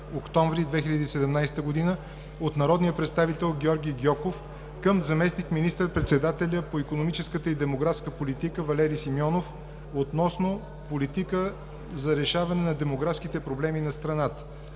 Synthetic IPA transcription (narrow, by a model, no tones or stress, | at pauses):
okt̪ɔ̃ɱvɾid̪vɛxilʲɐd̪iːsɛd̪ɛmnajsɛ̥t̪əɡod̪inə | ot̪nɐɾɔd̪nijəpɾɛt̪st̪avit̪ɛlˠɡʲɔɾɡʲiɡʲjɔkof | kəmzɐmɛsnikminist̪əɾpɾɛt̪sɛd̪at̪ɛlʲəpoikonomit͡ʃɛskət̪əid̪ɛmoɡɾafskəpolit̪ikəvɐlɛɾisimjɔnof | ot̪nɔsno | polit̪ikə | zɐɾɛʃavɐnɛnɐd̪ɛmoɡɾafskit̪ɛpɾoblɛminɐst̪ɾɐnat̪ə̥